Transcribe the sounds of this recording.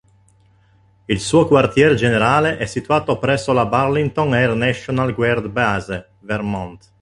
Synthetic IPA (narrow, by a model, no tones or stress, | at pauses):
ilsuːokwart̪jɛːɾed͡ʒeneɾaːleʔɛsːit̪uaːt̪opɾɛsːolabarlint̪onernɛʃonalɡwɛrd̪baze | vermɔnt̪